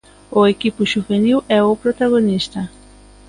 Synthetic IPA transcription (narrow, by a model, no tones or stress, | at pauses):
ʊekipʊʒuveniwɛʊpɾot̪aɣonist̪ɐ